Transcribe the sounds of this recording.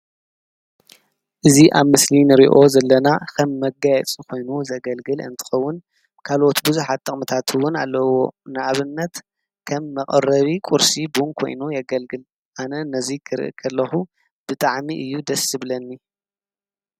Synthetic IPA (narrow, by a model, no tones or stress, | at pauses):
ʔɨziʔaβmɨslinɨɾiʔo̞zɐlːɐnakʰɐmːɐɡajɛt͡sʼikʰo̞jnuzɐɡɐlɡɨlɨ̰nt̪ʰɨ̥xɐwːʊn | kʰalʔo̞t̪buzuħat̪ʼːɐχʼmɐt̪ʰat̪ʰɨwːʊna̰lːɐwo̞nɨʔaβɨnːɐt̪ | kʰɐmːɐkʼɐrɐβikʼuɾsibunkʰo̞̰jnujɐɡɐlɡɨl | ʔanɐnɐzikʰɨɾɨ̰ʔɨ̰kʰɐlːɐxu | bɨt̪ʼaʕmiʔɨjːud̪ɐsɨβlɐnːi